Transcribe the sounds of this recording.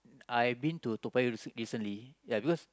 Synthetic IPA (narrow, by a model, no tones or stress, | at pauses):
ajbĩntutupaɹisə̃nlijabikɔs